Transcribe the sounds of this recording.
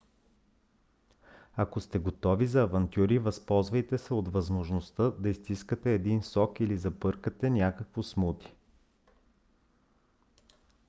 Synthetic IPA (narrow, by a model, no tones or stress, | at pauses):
ɐkost̪ɛɡot̪ɔvizɐːvɐnt̪ʲjuɾivɐspɔlˠzvɐjt̪ɛsɛot̪vɐzmoʒnost̪əd̪ɐist̪iskət̪ɛːd̪insɔkilizɐpɤɾkət̪ɛnʲakəkvosmut̪i̥